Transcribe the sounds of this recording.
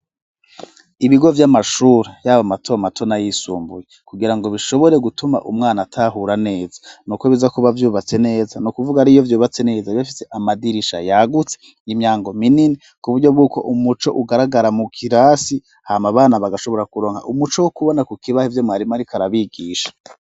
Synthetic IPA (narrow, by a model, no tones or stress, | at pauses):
iβiɡo̞vjamaʃuɾejaːβamatoamatʰo̞najisṵːmbujekuɡiɾaŋɡo̞βiʃo̞βo̞ɾe̞ɡutuma̰ʔumŋaːnatʰaɦuɾane̞ːzḁnukoβizakuβavjuːβat͡se̞ne̞ːzanukuvuɡaɾijo̞vjuːβat͡se̞ne̞ːzaβjafi̥se̞ʔamadiɾiʃa̰jaɡut͡se | imɲaːŋɡo̞minini | kuβuɾɟob̚ɡuːko̞̰ʔumut͡ʃo̞ʔuɡaɾaɡaɾamukʰiɾaːsi | hamaβaːnaβaɡaʃo̞βo̞ɾakuɾo̞ːŋha̰ʔumut͡ʃowokuβo̞nakukiβahivjomŋaːɾimaɾikʰaɾaβiɡiːʃḁ